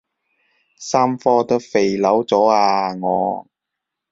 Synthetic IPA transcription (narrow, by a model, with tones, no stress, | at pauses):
saː˥mfɔː˥t̪ɐ˥fe˨jlɐ˨˥wt͡sɔː˨˥aː˧ŋɔ̰ː˨˧